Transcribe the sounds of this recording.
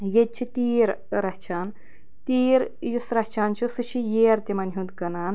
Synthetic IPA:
jet͡ʃʰit̪iːɾ | ɾɐht͡ʃʰaːn | t̪iːɾ | jisɾɐht͡ʃʰaːnt͡ʃʰusɨʃʰijeːɾt̪ʲimɐnɦũnd̪kɐnaːn

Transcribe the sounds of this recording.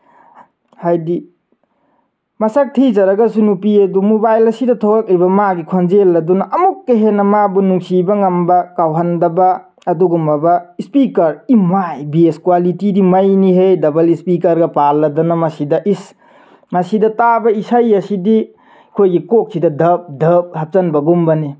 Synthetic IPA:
hajdi | mɐsɐk̚tʰid͡ʒɐɾɐɡɐsunupiedumobajlɐsidɐtʰokak̚libɐmaɡikʰonzelːɐdunɐʔɐmukːeɦenɐmabunuŋsibɐŋɐmbɐkawɦɐndɐbɐː | duɡumɐbɐispikɐɾimajbieskwalitidimɐjniɦejdɐbɐlispikɐɾɡɐpalːɐdɐnɐmɐsidɐʔis | mɐsidɐtabɐisajɐsidi | kʰojɡikok̚sidɐdɐp̚dɐp̚hɐp̚t͡ʃɐnbɐɡumbɐni

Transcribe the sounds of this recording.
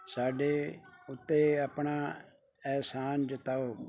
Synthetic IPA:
saːɖeːʊt̪ːeːəpɳaː | ɛːsaːnd͡ʒət̪aːoː

